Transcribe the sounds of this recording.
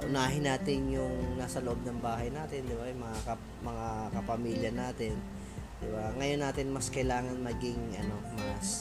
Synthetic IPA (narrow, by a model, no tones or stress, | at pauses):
ʔʊnaːɦɪnːaːt̪ɪnjʊŋnaːsɐloʔo̞b̚nɐŋbaːɦɐjnaːt̪ɪnd̪ɪbajʊŋmɐŋakɐ | mɐŋakɐpɐmiːljɐnaːt̪ɪn | d̪ɪbaŋɐjo̞nːaːt̪ɪnmɐskɐjlaːŋɐnmɐɡɪŋʔɐ̰no̞mɐs